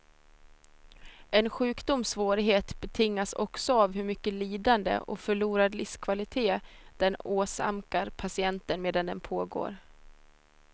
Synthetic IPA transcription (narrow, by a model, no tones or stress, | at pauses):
ɛnɧʉ̟ːkd̪ʊmsvoːɾɪɦeːt̪bɛt̪ʰɪŋːasɔksɔavhɵɾmʏkːəliːd̪and̪ə̰ʔɔ̰fœɭuːɾad̪lɪfskʰvalɪt̪ʰeːd̪̥ɛnoːsa̰mkaɾpʰasɪɛnt̪ənmeːd̪and̪ɛnpʰoːɡo̰ːɾ